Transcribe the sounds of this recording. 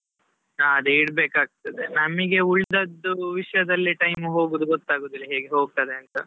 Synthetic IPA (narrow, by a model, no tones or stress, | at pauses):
aːɐd̪uiɽbeːkaːɡ̚t̪ɐd̪e̞nɐmːiɡe̞uɭd̪ɐd̪ːuʋiʂɐjɐd̪ɐlːiʈɐjmuɦo̞ːɡuːd̪uɡot̪ːaːɡoːd̪ilːɐɦeːɡeɦo̞ːɡ̚t̪ɐd̪e̞ɐnt̪ɐ